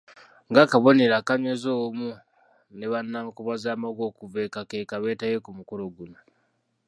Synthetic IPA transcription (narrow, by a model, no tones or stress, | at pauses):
ŋɡakaβo̞ne̞ɾakaɲwezoːmu | neβanːamukoβazaːmaɡo̞ːkuvekakeːkaβeːtajekumukuɾoɡuno